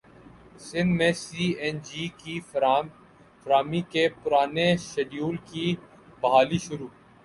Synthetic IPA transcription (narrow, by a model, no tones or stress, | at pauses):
sɪ̃nd̪mẽsiːɛnd͡ʒiːki | fɾaːmikepʊɾaːneʃeɖjuːlki | bɐɦaːliʃʊɾuː